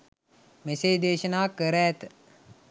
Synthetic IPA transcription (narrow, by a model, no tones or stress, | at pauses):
meseːd̪eːʃənaːkəɾæːt̪ə